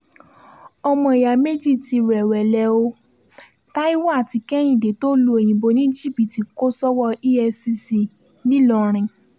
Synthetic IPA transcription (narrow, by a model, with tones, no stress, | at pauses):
ɔ˧mɔ̃˧i˨ja˨me˦d͡ʒi˦˨ti˧ɾɛ˨wɛ˨lɛ˧˦o˧ | ta˦i˦wɔ˦a˦˨ti˧kɛ˦j̃ĩ˦˨de˨to˦lu˧e˨j̃ĩ˨bo˧nĩ˦d͡ʒi˦˨bi˨ti˨ko˦sɔ˦wɔ˧i˦ɛ˧si˧si˧ | nĩ˦lɔ˨˧ɾ̃ĩ˨